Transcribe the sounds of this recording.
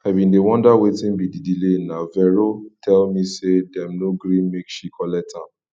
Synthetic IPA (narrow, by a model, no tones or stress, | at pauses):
aɪbĩndewɔ̃ndawetĩnbididilenavɛɹotʰɛlmĩsedɛ̃mnoɡɾĩnmekʃikʰɔlɛtʰa